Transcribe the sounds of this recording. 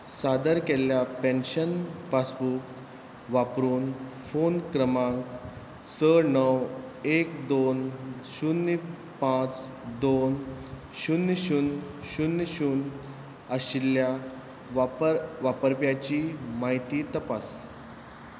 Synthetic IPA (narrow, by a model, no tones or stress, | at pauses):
sad̪əɾkɛljapɛ̃nɕənpasbuk | ʋapɾuːnfonkɾəmãk | səɾnəwekd̪onɕunːi | pãt͡s | d̪on | ɕunːɕun | ɕunːɕuːn | əɕilja | pəɾʋapəɾpjat͡ɕimaɦit̪iːt̪əpas